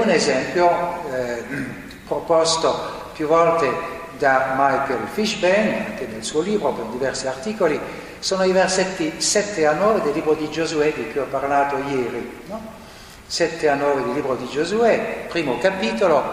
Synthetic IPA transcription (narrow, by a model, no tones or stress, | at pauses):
unezɛmpjo | pɾopɔst̪o | pjuvːɔlt̪e | d̪amajkelfiʃbɛna̰ŋk̟enelsuːoliːbɾopend̪ivɛrsiart̪iːkoli | soːnoiverset̪ːisɛt̪ːeanːɔːved̪elːiːbɾod̪id͡ʒozuɛd̪ikːuɔpːarlaːt̪ojɛːɾinɔ | sɛt̪ːeanːɔːved̪elːiːbɾod̪id͡ʒozuɛpɾiːmokapiːt̪olo